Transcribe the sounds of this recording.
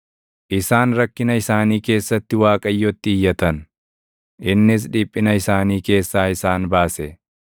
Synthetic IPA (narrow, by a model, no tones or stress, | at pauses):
ʔɪsaːnɾɐkːɪnɐɪsaːniːke̞ːsːɐt̪ːɪwaːkʼɐjːɔt̪ːɪɪjːɐt̪ɐn | ʔɪnːɪs̬ᶑiːpʼːɪnɐɪsaːniːke̞ːsːaːɪsaːnbaːsɛ